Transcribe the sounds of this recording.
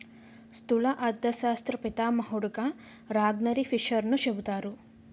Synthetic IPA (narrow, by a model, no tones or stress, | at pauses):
st̪ulɐʔɐd̪ːɐsaːst̪ɾɐpit̪aːmɐɦuɽuka | ɾaːɡnɐɾipʰiʃɐɾnuʃebut̪aːɾu